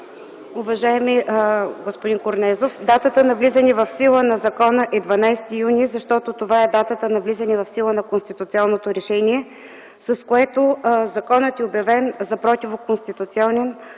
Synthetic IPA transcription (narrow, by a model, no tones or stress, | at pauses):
ʊvɐʒaɛmiɡospʊd̪inkoɾnɛzofd̪at̪ət̪ənɐvlizənivɐfsilˠənɐzɐkɔnəʔɛd̪vɐnajst̪ijunʲizɐʃt̪ɔt̪ot̪ovaɛd̪at̪ət̪ənɐvlizɐnivɐfsilˠənɐkonst̪it̪ʊt̪sʲiɔnːot̪oɾɛʃɛnʲiɛ | sɐskoɛt̪ozɐkɔnət̪ɛobjɐvɛnzɐpɾɔt̪ʲivokonst̪it̪ʊt̪siɔnɛn